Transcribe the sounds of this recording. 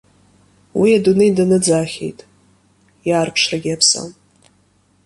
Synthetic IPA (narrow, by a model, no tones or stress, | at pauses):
wiadunɨjdanɨd͡zaːχʲḛjtʼ | jaːrpʰʂraɡʲiapʰsa̰m